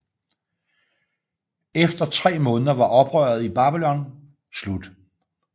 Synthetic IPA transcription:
efd̥ɐt͡sʰʁɛ̰ːmɔ̽ːnəðˠɐʋɑ̈ʔɒ̽b̥ʁœːɐð̞ˠib̥ɑ̈ːb̥ilɒ̽n | slud̥

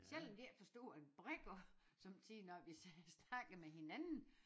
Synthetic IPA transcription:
sel̰ɒmd̥eɐfɒ̽sd̥o̝̰ːænb̥ʁeɡ̥osɒ̽mt͡sʰiðnɒʋisɛsnɑ̈ɡ̥əðmehe̝nænn̩

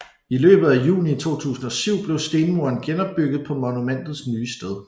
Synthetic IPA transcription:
ilø̰ːb̥ð̩ˠæjṵːnit͡sʰo̝̰ːt͡sʰṵːsn̩ɒ̽syʊ̰b̥le̝ʊsd̥e̝nmo̝ɐnɡ̥enɒ̽b̥ːyɡ̥ð̩ˠpʰɒ̽mɔnumen̰d̥ð̞̩ˠsnyːsd̥eð̞ˠ

